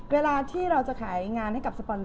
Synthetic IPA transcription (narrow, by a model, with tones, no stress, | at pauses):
weː˧laː˧t̪ʰiː˥˩ɾa˧wt͡ɕa˨˩kʰaː˩˦jŋaː˧nha˥˩jka˨˩sa˧pɔ˧n